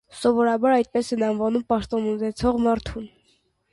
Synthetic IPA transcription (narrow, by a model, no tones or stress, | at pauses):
sɔvɔɾɑbɑɾɑjt̪̚pɛsɛnɑnvɑnumpɑʃt̪ɔnunɛt͡sʰɔʁmɑɾt̪ʰun